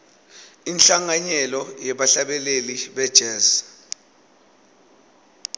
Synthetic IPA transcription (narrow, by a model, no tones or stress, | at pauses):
inɬaŋaɲɛlɔjɛɓaɬaɓɛleliɓɛd̥ʒ̥ʱɛːz